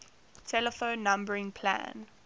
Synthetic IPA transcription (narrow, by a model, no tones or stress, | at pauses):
tʰɛləfõʊ̃nːãmbəɹɪ̃ŋpʰlã̰n